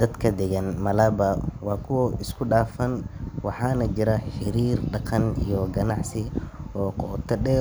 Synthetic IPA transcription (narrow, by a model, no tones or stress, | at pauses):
d̪̥ɐd̪kʰɐd̪ɛɣɐnmɐlabɐwɑːkʰʊwɔɪskʰʊɖaːfɐnwɑħɑːnɐt͡ʃɪɾɐħɪɾiːrɖɑqɑnijɔɡɐnɑʕsɪɔːqɔːt̪ʰɐɖɛː